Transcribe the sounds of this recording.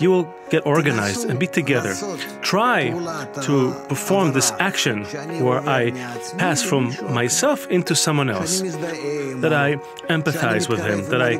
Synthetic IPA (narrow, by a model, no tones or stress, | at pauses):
jɨwɪlˠ | ɡ̥ɛɾʔɔɹɡɨnaɪzdɨ̃nbitʰɨɡɛðə̰˞tʰɹ̥aɪtʰəpʰə˞fɔɹmðɪsækʃɨ̃nwə˞ʔaɪ | pʰæsfɹʌ̃mːaɪsɛlˠfɪ̃ntusʌ̃mwʌ̃nɛ̰lˠs | ðɨɾaɪ | ɛ̃mpɨθaɪzwɨð̥ɪ̃mðɨɾaɪ